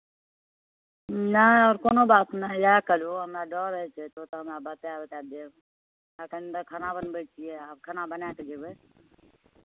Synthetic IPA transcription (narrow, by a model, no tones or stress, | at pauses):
naɔːɾkoːnobaːt̪nalaːkəloɦəmɾaɖɔːɾəɦɛt͡ʃʰet̪ot̪oɦəmɾabat̪eabet̪ad̪e | akənd̪əkʰənabənbət͡ʃʰieaːb̚kʰənabənakəd͡ʒebe